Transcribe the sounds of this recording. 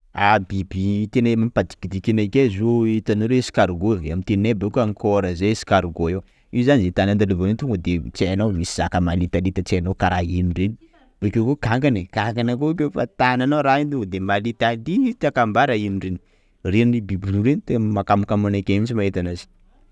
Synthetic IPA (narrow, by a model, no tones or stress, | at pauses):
abibit̪enamapad̪i̥kid̪ikinakezoit̪anoɾesi̥kaɾuɡoamit̪ennabekuaŋkʰoɾəzesi̥kaɾuɡoe | izanizet̪anand̪alivoent̪uŋɡad̪et͡ʃeanawmisi̥z̥akəmalit̪alit̪at͡ʃeanowkaɾainireni̥ | b̥ekewkukaŋɡanekaŋɡanakokefa̰t̪ananaɾaind̪uod̪emalit̪alit̪akambaɾainireni | renibibiluɾenit̪emmakamakamunakʲemit͡ʃimaet̪anazi̥